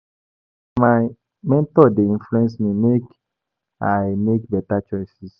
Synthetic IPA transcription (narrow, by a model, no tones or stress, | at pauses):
maj | mɛ̃ntɔdeĩnfluɛ̃nsmĩmek | ajmekbɛtat͡ʃɔjsis